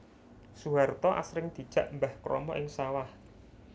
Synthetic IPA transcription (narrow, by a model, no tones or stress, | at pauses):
suɦart̪ɔʔa̰sɾɪŋd̪̥i̤d̥ʒ̥a̤ʔmbahkɾʔɔ̰mɔʔɪŋsawah